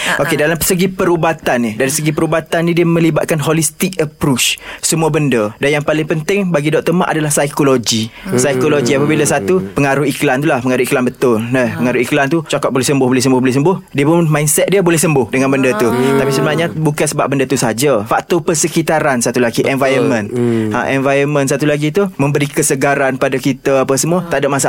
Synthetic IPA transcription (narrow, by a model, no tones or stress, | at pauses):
ʔokedalaməsəɡipəɾubat̪anːidaɾisəɡipəɾubat̪anːĩdiəmə̃libat̪̚kanɦolist̪ɪk̚əpɾut͡ʃsəmuabəndədanjaŋpalɪŋpənt̪ɪŋbaɡidɔʔt̪əma̰ʔadalahsajkoloɡisajkoloɡiapabilasat̪upəŋaɾuiklant̪ulahpəŋaɾuiklanbət̪ʊlnəpəŋaɾuiklant̪ut͡ʃakat̪ʔ̚bolɛhsəmbʊhbolɛhs̬əmbʊhbolɛsəmbʊhdiəpʊnmainsɛt̪̚diəbolɛhsəmbʊhdəŋanbəndət̪ut̪apisəbənaɲabukansəba̰p̚bəndət̪usaɦad͡ʒafak̚t̪ɔpərsəkit̪aɾansat̪ulaɡiʔɛnvajəmə̃nt̪a̰ʔɛnvajəmə̃ns̬at̪ulaɡit̪umə̃mbəɾikəsəɡaɾanpadakit̪aapasəmũət̪aʔdaʔ̚masa